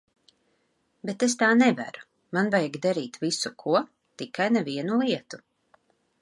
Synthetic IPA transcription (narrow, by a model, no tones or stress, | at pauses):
bet̪es̬t̪aːnɛvæ̰ɾu̥ | manvajɡd̪aɾiːt̪visukʰuɔ | t̪ikajnɛviɛnulˠiɛt̪u